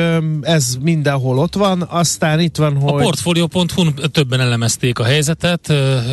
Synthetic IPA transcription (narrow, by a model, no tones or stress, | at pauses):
ɛzmind̪ɛnɦo̞lo̞t̪ʋɒnɒst̪aːnit̪ʋɒnɦopo̞rt̪foːlijoːpo̞nt̪hunt̪øbːɛnɛlɛmɛst̪eːkɒɦɛjzɛt̪ɛt̪